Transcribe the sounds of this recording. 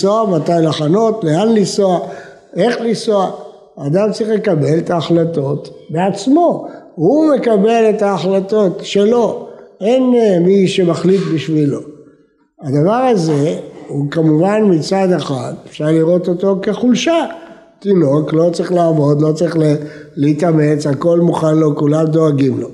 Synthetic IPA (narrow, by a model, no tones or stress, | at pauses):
soamat̪ajlaχano̞t̪leanlisoa | e̞χlisoaː | d̪amt͡sʁiχle̞kabe̞let̪aːχlato̞t̪beat͡smo̞hume̞kabe̞let̪aːχlat̪o̞tʃe̞lo̞enmiʃemaχlit̪biʃvilo̞ | ad̪avaʁaze̞ukamuvanmit͡sad̪aχat̪efʃaʁliʁo̞t̪o̞t̪o̞ke̞χulʃat̪ino̞klo̞t͡sʁiχlaːvo̞d̪lo̞t͡sʁiχleleit̪ame̞t͡sako̞lmuχanlo̞kulamd̪o̞aɡimlo̞